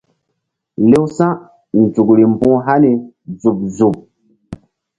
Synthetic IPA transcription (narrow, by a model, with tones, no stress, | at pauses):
le˦wsã˦ | n˨d͡zu˨kɾi˨m˨pũ˦ɦa˦ni˨ | zu˨p̚zu˨p̚